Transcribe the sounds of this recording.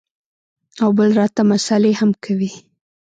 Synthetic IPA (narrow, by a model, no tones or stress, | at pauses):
awbəlɾɑt̪amasalehamkʰawi